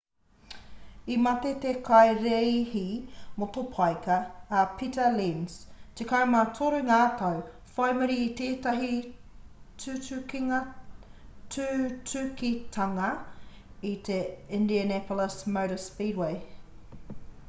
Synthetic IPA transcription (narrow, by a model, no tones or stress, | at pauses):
imɐt̪et̪ekʰajɾejhimot̪opʰajkɐːpʰitəlinst̪ekamɐt̪ʰoɾʉŋaːt̪ɐw | fajmɐɾiːt̪eːt̪aɦi | tʰʉːtʉkiŋɐ | tʰʉtʰʉkit̪ʰɐŋɐ | it̪ʰeɪ̃ndiənɛpʰoləsmowɾəspiːɾwej